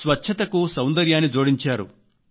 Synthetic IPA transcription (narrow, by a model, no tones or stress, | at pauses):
sʋɐtːʃʰɐt̪ɐkusɐwnd̪ɐɾjaːnːid͡ʒoːɽiɲt͡ʃaːɾṵ